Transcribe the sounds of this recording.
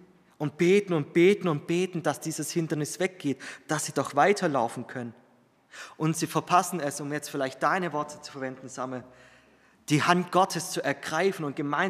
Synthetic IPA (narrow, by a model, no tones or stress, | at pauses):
ʔʊnt̚b̥eːtn̩ʊnt̚b̥eːtn̩ʊnt̚b̥eːtn̩d̥asd̥iːzəshɪndɐnɪsv̥ɛk̚ɡ̥eːtd̥asz̥iːdɔχv̥aɪtʰɐlaʊfn̩kʰœnən | ʔʊntz̥iːfɛɐpʰasn̩ɛsʊmjɛt͡stfɪlaɪçt̚d̥aɪnəvɔɐtʰə̥t͡su̥fɛɐvɛndn̩zamə | d̥iːhantɡ̥ɔtʰəst͡suʔɛɐɡʁaɪfn̩ʊnt̚ɡ̥əmaɪ